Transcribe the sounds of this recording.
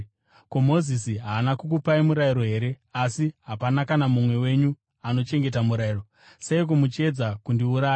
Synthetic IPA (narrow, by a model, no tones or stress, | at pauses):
komo̞zisiɦaːnakuk̬upaimuɾaiɾo̞ɦe̞ːɾe̞ | asiɦapanakanamumwe̞we̞ɲu | ano̞t͡ʃe̞ŋɡe̞tamuɾairo̞ | seik̬umut͡ʃe̞d͡zakundiuɾaːjo